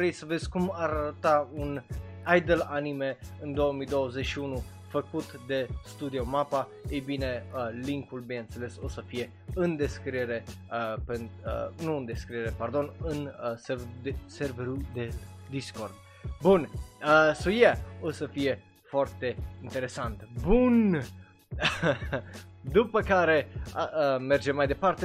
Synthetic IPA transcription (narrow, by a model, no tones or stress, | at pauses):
ɾejsəve̞zʲkumaɾaɾət̪aun | ajd̪əlanime̞ɨnd̪o̞wəmijd̪o̞wəzet͡ʃʃiunu | fəkut̪d̪e̞st̪ud̪iomapa | ejbine̞liŋkulbinɨnt̪sele̞so̞səfije̞ | ɨnd̪e̞skɾieɾe̞ | penuɨnd̪e̞skɾieɾepard̪o̞nɨnsed̪eserveɾud̪ed̪iskord̪ | bunəsojeosəfije | foart̪e̞int̪eɾesant̪bun | d̪upəkaɾe̞əmerd͡ʒemajd̪e̞part̪e